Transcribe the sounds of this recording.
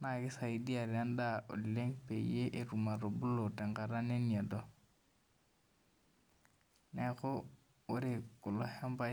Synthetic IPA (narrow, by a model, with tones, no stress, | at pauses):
na˨kɪ˦sa˨i˨di˦a˨ɾɪ˨a˦n˦da˦o̰˨di˨le˦ŋpe˨ḭe˦ʔe˦ru˨ma˨ɾo˨bʊ˦lo˨tɛ˨ŋɡa˨ɾa˦ne˦ni˨a˨dɔ˦ | nɛ˦ɣʊ˦ | ʊ˦ɾɪ˨kʊ˨lɔ˨hɛ˦mba˦